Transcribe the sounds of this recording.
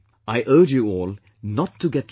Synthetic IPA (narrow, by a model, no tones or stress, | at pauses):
aɪʔɜ˞d͡ʒjɨɔːlˠ | nətʰːuɡɛt̚